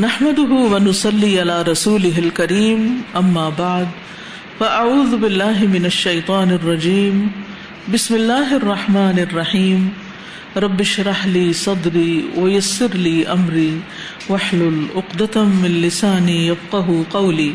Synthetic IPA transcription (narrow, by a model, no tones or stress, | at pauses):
naħmad̪ʊɦʊwanʊsˤɑlːiːʔalaːɾˤɑsuːlɪɦɪlkaɾiːmʔamːaːbaʕd̪ | faʔaʕuːðʊbɪlːaːɦɪmɪnaʃːajt̪ˤɑːnɑrˤːɑd͡ʒiːm | bɪsmɪlːaːɦʔɑrˤːɑħmaːnɑrˤːɑħiːm | ɾˤɑbːɪʃɾˤɑħliːsˤɑd̪ɾiːwajasːɪɾliːʔamɾiː | waħlʊlʔʊqd̪amɪnlɪsaːnijafqɑɦʊqɑwliː